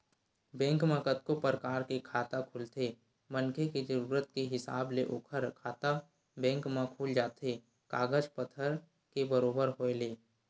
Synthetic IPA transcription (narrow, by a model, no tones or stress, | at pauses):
bɛ̃ːŋkmə̃kət̪kopɾəkaːɾkekʰaːt̪akʰʊlt̪eː | mənkʰekid͡ʒəɾuːɾət̪̚keɦɪsa̰ːbleʔoːkʰəɾkʰaːt̪a | bɛ̃ːŋkmãkʰuːld͡ʒaːt̪ʰe | kaːɡəd͡ʒpət̪ʰəɾ | kebəɾoːbəɾɦoeleː